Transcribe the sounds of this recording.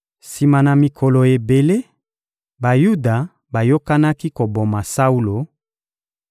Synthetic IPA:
si˨ma˨na˨mi˨kʰɔ˨lo˨e˨be˨le˦ | ba˨ju˦da˨ | ba˨jo˦ka˦na˦ki˦ko˨bo˨ma˨sa˦u˦lo˨

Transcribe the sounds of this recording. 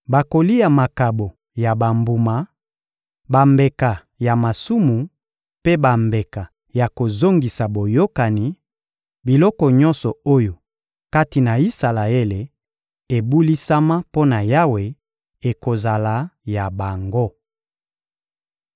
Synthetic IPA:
ba˨ko˨li˦ja˨ma˨ka˨bo˨ | ja˨ba˨mbu˨ma˨ | ba˨mbe˨ka˨ | ja˨ma˨su˦mu˨ | pe˦ba˨mbe˨ka˨ | ja˨ko˨zo˦ŋɡi˨sa˨bo˨jo˦ka˨ni˨˦ | bi˨lɔ˦kɔ˨ɲɔ˦nsɔ˨o˦jo˨ | ka˦ti˨na˨i˦sa˨la˨e˦le˨ | e˨bu˦li˦sa˦ma˦po˦na˨ja˦we˨ | e˨ko˨za˨la˨˦ja˨ba˨ŋɡo˦

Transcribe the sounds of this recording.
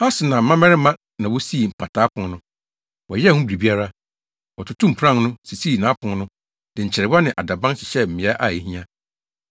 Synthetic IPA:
ha˦sɪ˨nã˨m̩˨˦mã˦mɛ̃˦ɾɪ˦mã˦ | nã˨wɔ˦si˦˨m̩˨pʰa˨tʰaː˨˦pʰʊ̃˨nnʊ̃˦ | wɔ˨jɛ˦hʊ̃˦bɾi˨bi˦a˦ɾa˦ | wɔ˨tʰʊ˦tʰʊ̃˦m̩˨pʰɾã˦˨˦nʊ̃˦si˨siː˦˨nãː˨˦pʰʊ̃˨ŋnʊ̃˦ | dɪ̃˨ɲ̩˨t͡ɕʰɪ˨ɾɪ˨ba˦nɪ̃˨ʔa˨da˨bã˦nɕɪ̥˨ɕɛ˦m̩˨mɪ̃˨ɛ˦ʔa˦˨je˨hĩ˦ã˦

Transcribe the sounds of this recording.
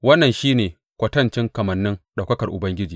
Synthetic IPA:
wɐ˦nːɐ˨nʃiː˦neː˨ | kʷɐ˨tɐ˦nt͡ʃɪ˦ŋkɐ˨mɐ˨nːɪ˦ŋɗa˨wkɐ˦kɐ˨rʔʊ˨bɐ˦ŋɡʲɪ˦d͡ʒiː˨

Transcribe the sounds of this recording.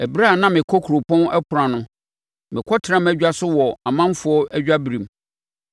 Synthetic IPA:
æ˨bɾa˦˨nã˦mɪ̃˨kʰɔ˦kʰu˨ɾo˨pʰɔ̃˦nɛ˦kʰʊ˨ɾã˨nʊ̃˦ | mɪ̃˨kʰɔ˦tʰɪ˨ɾã˦mæ˦d͡ʑᶣa˦sʊ˦wɔ˨a˨mã˦m˦fʊ˦ɔ˦ʔæ˦d͡ʑᶣa˦bɾĩ˨m

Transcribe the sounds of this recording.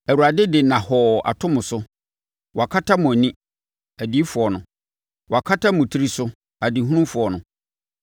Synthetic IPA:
ɛ˨wu˨ɾa˨dɪ˦dɪ˨nã˨hɔ˨a̰˨tʰʊ̃˦mʊ̃˨sʊ˦ | wʔɔ˨a˨kʰa˦tʰa˦mʊ̃˨æ˨nĩ˦ | æ˨di˦fʊ˨ɔ˨nʊ̃˨ | wʔɔ˨a˨kʰa˦tʰa˦mʊ̃˨tʰi˦ɾi˦sʊ˦ | æ˨di˨˦ɦũ˦nʊ̃˦mfʊ˨ɔ˨nʊ̃˨

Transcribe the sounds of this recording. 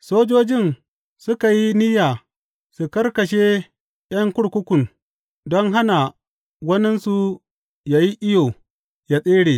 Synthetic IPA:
soː˦d͡ʒoː˦d͡ʒɪ˦˨n | sʊ˦ka˨ji˦nɪ˦jaː˨ | su˨kɐ˦rkɐ˨ʃe˦ | j̰ɐ˦ŋkʷʊ˦ɽkʷʊ˦kʷʊ˨n | dɔ˦ŋɦa˦na˨ | wɐ˦nɪ˦nsu˦ | jaː˨ji˦ʔɪ˦joː˨ | ja˨sʼeː˦ɽeː˨

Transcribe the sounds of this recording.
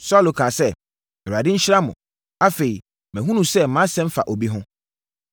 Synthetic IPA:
sɔ˦lo˨kʰã˨sɛ˦ | ɛ˨a˨dɪ˦ɲ̩˦ɕɪ˦ɾa˦mʊ̃˨ | a˦fe˨i˨ | mɛ̃˨ɦũ˦nũ˨sɛ˦m̩˦mã˦sɛ̃˦m̩˦fa̰˨ʔo˨bi˦ɦʊ̃˦

